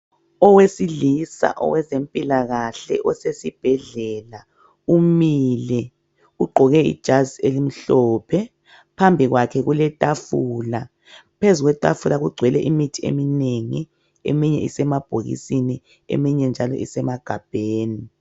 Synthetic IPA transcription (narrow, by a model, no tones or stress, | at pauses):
ɔwesilisa̰ʔɔ̰wɛzempʼilaɣaɬɛ̰ʔɔsesib̥ʱɛɮɛla | umilɛ | uɡ͡ǃʱɔɣɛḭd̥ʒ̥ʱazelim̩ɬɔːpʰɛ | pʰambʱiɣwakʰɛɣulɛtʼafuːla | pʰezuɣwɛtʼafulaɣuɡ͡ǀʱwɛlɛʔimitʰiḛmineŋi | ḛmiɲɛ̰ḭsɛmab̥ʱoɣḭsini | ḛmiɲɛnd͡ʒʱalɔ̰ʔḭsɛmaɡ̥ʱab̥ʱeːni